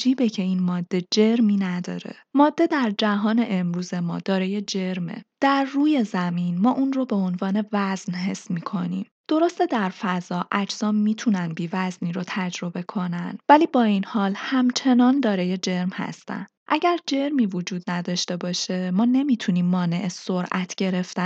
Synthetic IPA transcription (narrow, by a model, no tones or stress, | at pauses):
d͡ʒiːbecʰe̞iːnmɒːd̪ːe̞d͡ʒe̞ɾmiːnæd̪ɒ̰ːɾe̞̰ | mɒːd̪ːe̞d̪æɾd͡ʒæɦɒːne̞ʔemɾuːze̞mɒ̰ːd̪̥ɒːɾejed͡ʒe̞ɾmḛd̪̥æɾːuːje̞zæminmɒːʔunrobe̞o̞nvɒːne̞væznɦe̞̰sːmiːkʰo̞nḭːm | d̪̥o̞ɾost̪ed̪æɾfæzɒːʔæd͡ʒz̥ɒːmmiːt̪ʰunænbiːvæzniːɾot̪ʰæd͡ʒɾo̞be̞kʰo̞nænvæliːbɒːinhɒːlhæmt͡ʃʰe̞nɒːnd̪ɒːɾeje̞d͡ʒe̞ɾmhæ̰st̪æ̰n | ʔæɟæɾd͡ʒe̞ɾmiːvod͡ʒuːd̪̚næd̪ɒːʃt̪e̞bɒːʃe̞mɒːne̞mit̪ʰuniːmːɒːne̞ʔesoɾʔæt̪ʰɟ̥e̞ɾe̞ft̪æ